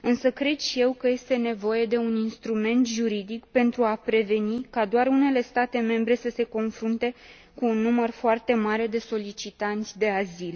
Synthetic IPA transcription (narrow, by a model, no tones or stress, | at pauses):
ɨnsəkɾe̞d̪ʃije̞wkəje̞st̪e̞ne̞vo̞je̞d̪e̞uninst̪ɾume̞nt̪ʒuɾid̪ikpe̞nt̪ɾuapɾe̞ve̞nikad̪oarune̞le̞st̪at̪e̞me̞mbɾe̞səse̞ko̞nfɾunt̪e̞ | kuːnːumərfoart̪e̞maɾe̞d̪e̞so̞lit͡ʃit̪ant̪sʲd̪e̞azil